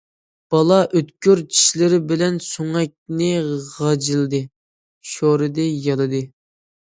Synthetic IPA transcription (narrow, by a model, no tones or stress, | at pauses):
b̥ɑlˠɑʔøt̪kʲøɾt͡ʃʰi̥ʃlɪɾɪbɪlɛnsoŋɛk̚ʲnɪʁɑd͡ʒilˠd̪ɨ | ʃoɾɨd̪ɛjɑlˠɨd̪ɨ